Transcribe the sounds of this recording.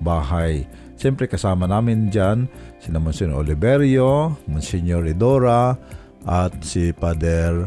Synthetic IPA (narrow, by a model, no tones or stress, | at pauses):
baːɦaj | ʃɛmpɾɛkɐsaːmanaːmɪnd͡ʒansinamʊnsɛno̰libɛɾjomʊnsɛɲoɾɪd̪oɾa | ʔat̪̚sipad̪ɛɾ